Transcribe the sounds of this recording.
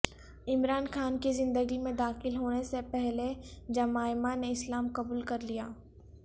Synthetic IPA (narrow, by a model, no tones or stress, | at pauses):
ɪmɾaːnxaːnkizɪ̃nd̪əɡimẽd̪aːxɪlɦoːnesepɛɦled͡ʒɐmaːɪmaneɪslaːmqɐbuːlkɐɾlijaː